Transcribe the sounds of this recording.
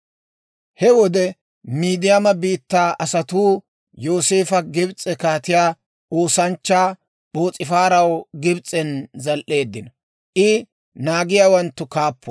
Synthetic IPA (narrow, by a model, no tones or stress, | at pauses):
hɛwɔd̪ɛ | miːd̪ɪjamɐbiːt̪ːaːʔɐsɐt̪uː | jo̞ːse̞ːfɐɡɪbt͡sʼɛkaːt̪ɪjaː | oːsɐnt͡ʃːaː | bo̞ːt͡sʼɪfaːɾɐwɡɪbt͡sʼɛnzɐlʔe̞ːd̪ːɪnɐ | ʔɪ | naːɡɪjaːwɐnt̪ːʊkaːpːɔ̥